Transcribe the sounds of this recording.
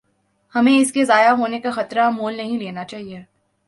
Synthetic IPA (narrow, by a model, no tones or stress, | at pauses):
hɐmẽɪskezaːjaɦoːnekaxɐt̪ɾamoːlnɐɦĩleːnat͡ʃaːɦieː